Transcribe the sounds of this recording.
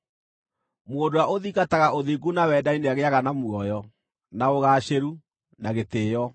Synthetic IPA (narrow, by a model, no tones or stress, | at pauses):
moːndowaʔoðikataɣaʔoðiɡunawɛːdaineaɣeaɣanamuɔjɔ | naoɣaːɕeɾu | naɣeteːjɔ